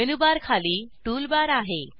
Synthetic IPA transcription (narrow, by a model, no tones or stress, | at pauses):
enubaɾkʰaliːʈuːlbaɾaɦe